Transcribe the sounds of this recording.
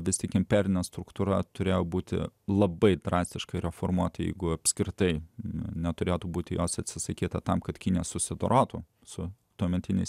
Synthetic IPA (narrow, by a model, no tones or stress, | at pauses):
ʋʲɪst̪ʲɪkɪmʲpʲɛːɾʲɪnʲɛst̪ɾʊkt̪ʊːɾɐt̪ʊɾʲeːjoːbuːt̪ʲɪ̰lˠɐbɐɪd̪ɾɑːsʲt̪ʲɪʃkɐɪɾʲɛfoːɾmuɔt̪ɐjɛ̰ɪɡʊɐpʲsʲkɾʲɪt̪ɐɪnʲɛt̪ʊɾʲeːt̪uːbuːt̪ʲɪjoːsɐt̪ʲsʲɪsɐkʲiːt̪ɐt̪ɐmkɐt̪kʲɪnʲijɛssʊsʲɪd̪oɾʔoːt̪u | sʊ | t̪uɔmʲɛnʲt̪ʲɪnʲɛɪs